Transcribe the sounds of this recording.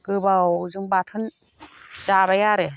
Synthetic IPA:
ɡ̥ɯbawzɯŋbat̪ʰɯn | d͡ʒabajaɾe

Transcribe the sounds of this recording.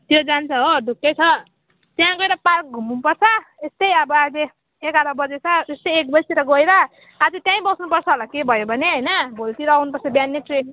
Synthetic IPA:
t̪jod͡zant͡sʰʌɦoɖʱukːet͡sʰʌ | t̪jãɡʌeɾʌpark̚ɡʱumunpʌrt͡sʰʌest̪ʌjʌbʌad͡ze | ekaɾabʌd͡zet͡sʰʌd͡zest̪ʌjek̚bʌjsiɾʌɡʌjɾʌː | d͡zet̪jãĩbʌsnupʌrt͡sʰʌolakebʱʌjobʱʌneɦʌjnʌbʱolt̪iɾʌʌwnupʌrt͡sʰʌbjanːeʈre

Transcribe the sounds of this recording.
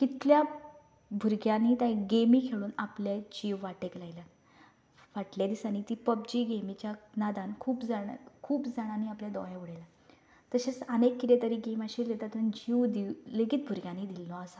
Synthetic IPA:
kit̪lja | bʱuɾɡjãniːt̪ãɡemiːkʰeɭuːnapljad͡ʑiʋʋaʈeklajlə | ʋaʈljad̪isanit̪iːpəb̚d͡ʑiːɡemit͡ɕjanad̪ankʰuːpd͡zaɳkʰuːpd͡zaɽ̃aniapljad̪ɔjauɽajla | t̪əɕet͡sənekːit̪et̪əɾiːɡemaɕiːlet̪at̪und͡ʑiʋd̪ileɡit̪̚bʱuɾɡʲjãnid̪ilːɔasa

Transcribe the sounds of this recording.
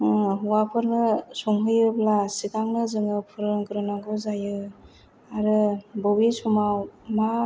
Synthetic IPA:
ɦuwapʰɯɾnɯsɔŋɦɯjɯblasitaŋnɯzɯŋɯpʰɯɾɯŋɡɾɯnaɡɯzajɯ | aɾɯbɔwisumawma

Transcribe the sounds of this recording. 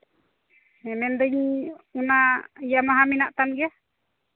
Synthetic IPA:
ɛmɛnd̪əɲunaijamaɦaminaʔt̪anɡɛ

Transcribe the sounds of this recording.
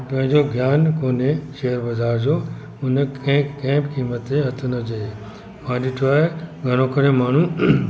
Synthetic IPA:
pɐ̃ɦɪ̃ɲd͡ʑoɡʱjaːnkoːneʃeːəɾbɐzʱaːɾd͡ʑoː | ʊnɐ̃ɪ̃kẽːbkiːmət̪eɦɐt̪ʰənɐd͡ʑɐe | mãːɗɪʈʰoaːɦeɡʱɐñõkɐɾemaːɳ̤ũ

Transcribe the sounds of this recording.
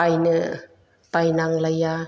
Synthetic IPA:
ajnɯ | pajnaŋlaja

